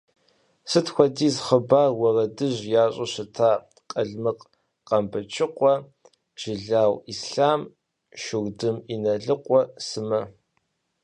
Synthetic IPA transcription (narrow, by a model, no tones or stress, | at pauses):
sɨtʰxʷɔdiːzχəbaːrwɐrɐdɨʑjaːɕʼɐɕɪtʰaː | qʼɐɮmɨq | qɐmbɐt͡ʃʰɪqʷɔ | ʒ̥ɪɮaːwisɬaːm | ʃɪɣdɨminɐɮɨqʷɔsɨmɐ